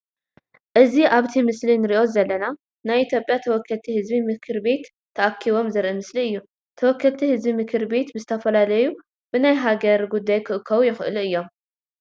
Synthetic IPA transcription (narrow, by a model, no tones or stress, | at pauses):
ʔɨziʔaβt̪ʰimɨslinɨɾiʔo̞zɐlːɐna | najʔit̪ʰjo̞pʼjat̪ʰɐwɔkʰːɐlt̪ʰihɨzbimɨkʰɨɾbe̞t̪ʰːɐʔakʰːiβo̞mzɨɾʔɨmɨsliɨjːu | t̪ʰɐwɔkʰːɐlt̪ʰihɨzbimɨkʰɨɾbe̞t̪bɨzɨt̪ʰɐfɐlalɐju | b̥ɨnajɦaɡɐɾɡud̪ːajkʰɨʔɨkʰːɐβujɪxɨ̰lɨjːo̞m